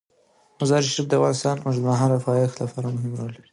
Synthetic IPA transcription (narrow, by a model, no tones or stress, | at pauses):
mʊzɑɾʃifd̪əavɣɑnɪst̪ɑnmʊʐd̪maɦɑɾafɑjaxlafaɾamʊɦɪmɾal